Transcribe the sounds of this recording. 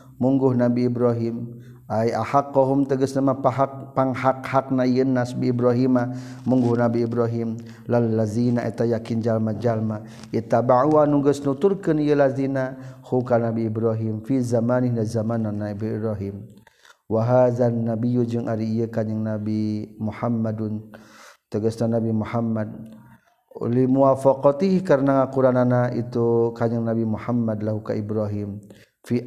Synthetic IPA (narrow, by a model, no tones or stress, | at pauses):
muŋɡʊhnabiːbɾaɦim | ʔajahaqːaɦʊmt̪aɡəsnamapaɦak̚paŋhakhak̚naijənːasbiibɾaɦimamuŋɡʊhnabiːbɾaɦim | lalːazinaʔḭt̪ajakind͡ʒalmad͡ʒalma | ʔit̪abaʕuwanuɡəsnut̪ʊɾkənijəlazinahukanabiibɾaɦimfizamanihnazamananaibbɾaɦim | waɦaðanːabijud͡ʒəŋʔaɾiijəkaɲəŋnabimuħamːadnt̪əɡasnanabimuħamːad̚ | limuafaqɔt̪ihikaɾnaŋakuɾananaʔit̪ukaɲaŋnabimuħamːadlaɦuka̰ʔibɾaɦim | fi